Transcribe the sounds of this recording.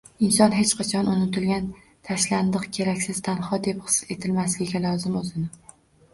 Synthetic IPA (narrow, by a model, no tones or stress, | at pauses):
ɪnsɒnɦe̞t͡ʃqʰɑt͡ʃʰɒnʊnɪt̪ʰɪlɡʲan | t̪ʰaʃland̪ɨqkʲʰe̞ɾakʲsɪz̥t̪ʰanhɒd̪e̞phɨ̥se̞t̪ʰɪlmaslɪɡʲɪɡʲalˠɒzɪmozɪnɪ